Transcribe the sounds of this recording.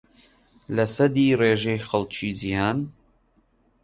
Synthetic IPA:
lɐsɐd̪iːreːʒejxɐlˠt͡ʃʰiːzijaːn

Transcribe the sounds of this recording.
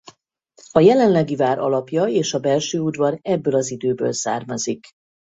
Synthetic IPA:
ɒjɛlɛnlɛɡivaːɾʔɒ̰lɒpjɒeːʃɒbɛlʃøːud̪vɒɾɛbːøːlɒzid̪øːbø̰ːlsa̰ːrmɒzik

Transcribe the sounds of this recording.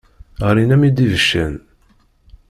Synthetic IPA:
ʁəɾinæmid̪ivəʃːæn

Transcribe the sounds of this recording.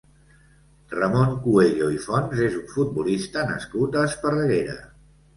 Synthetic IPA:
rəmoŋkueʎoifɔnzezuɱfut̪̚bulist̪ənə̰skut̪əspərəɣeɾə̰

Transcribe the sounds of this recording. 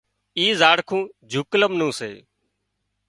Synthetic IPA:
iːzaːɽkʰũːd͡ʒʱʊkləmnũːsḛː

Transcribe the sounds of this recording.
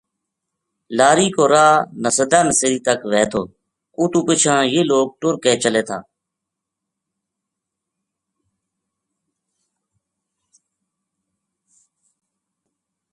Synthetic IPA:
laːɾiːkoːɾaːnəsəd̪aːməsəɾiːt̪əkʋeːt̪ʰoː | uːt̪ũːpɪt͡ʃʰãːjeːloːɡ̚ʈʊɾkeːt͡ʃəleːt̪ʰa̰ː

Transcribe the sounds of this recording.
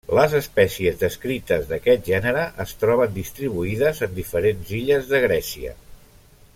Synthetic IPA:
ləzəspɛsiəzðəskɾit̪əzðəkɛt̪̚ʒɛnəɾəʔəst̪ɾɔβənd̪ist̪ɾiβuiðəzənd̪ifəɾenziʎəzðəɣɾɛsiə̰

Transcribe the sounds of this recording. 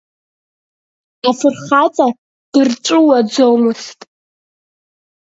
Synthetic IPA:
afɨrχat͡sʼa | d̥ɨrʈ͡ʂʷʼʊwad͡zowmɨstʼ

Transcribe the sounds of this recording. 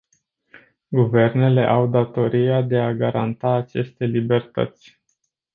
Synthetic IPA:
ɡuve̞rne̞le̞ʔawd̪at̪o̞ɾijad̪e̞aɡaɾant̪aːt͡ʃe̞st̪e̞libe̞rt̪ə̰t̪sʲ

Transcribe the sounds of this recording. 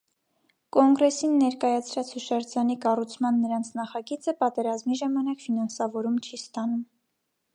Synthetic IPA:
kɔŋɡɾɛsinːɛɾkɑjɑt͡sʰɾɑt͡shuʃɑɾt͡sɑnikɑrut͡sʰmɑnːəɾɑnt͡sʰnɑχɑɡit͡səpɑt̪ɛɾɑzmiʒɑmɑnɑkfinɑnsɑvɔɾumt͡ʃʰist̪ɑnum

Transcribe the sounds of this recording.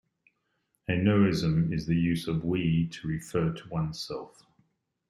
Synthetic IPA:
hɛnəɪzə̃mɪzðəjʉːzəvwitʰəɹɪfɜːtʰəwʌ̃nsɛlˠf

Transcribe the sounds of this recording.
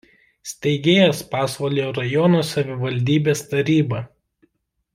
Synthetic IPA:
sʲt̪ʲɛɪɡʲeːjɛspɑːsʋoːlʲeoɾɐjɔnoːsɐʋʲɪʋɐlʲd̪ʲiːbʲeːst̪ɐɾʲiːbɐ

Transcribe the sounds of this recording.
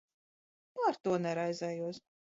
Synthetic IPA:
aɾt̪uɔnɛɾajzɛjuɔs

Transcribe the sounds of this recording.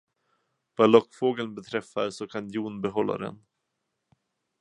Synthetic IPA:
valɔkːfoːɡəlnbɛt̪ʰɾɛfːaɾsɔkʰanjuːnbɛɦɔlːa̰d̪ɛ̰n

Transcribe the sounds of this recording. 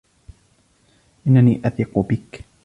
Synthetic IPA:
ʔɪnːaniːʔaθiːqʊbɪk

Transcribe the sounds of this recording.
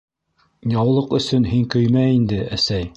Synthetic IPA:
jɑwlˠɤqɵ̆sɵnɦiŋkɵjmæind̪ɘæsæj

